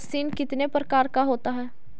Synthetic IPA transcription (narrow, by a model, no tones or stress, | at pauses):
ksiːnkɪt̪nepɾəkaːɾkaɦoːt̪aɦɛː